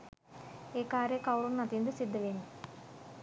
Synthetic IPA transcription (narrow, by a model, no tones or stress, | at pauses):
eːkaːɾjɐkɐwɽunːɐt̪ijnd̪ɐsid̪ːɐʋeːnu